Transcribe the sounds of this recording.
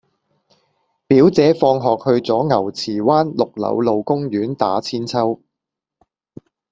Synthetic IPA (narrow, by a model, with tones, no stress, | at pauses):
piː˨˥wt͡sɛː˨˧˥fɔː˧ŋɦɔː˨k̚hɵ˧ɥt͡sɔː˨˥ŋɐ˨˩wt͡sʰiː˨˩waː˥nlʊ˨k̚lɐ̰˨˧wlo˨wkʊ˥ŋjyː˨˥nt̪a̰ː˨˥t͡sʰiː˥nt͡sʰɐ˥w